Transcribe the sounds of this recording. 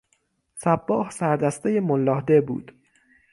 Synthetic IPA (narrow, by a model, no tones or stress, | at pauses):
sæbːɒːhsæɾd̪æst̪ejemolːɒːhd̪ebṵːd̪̥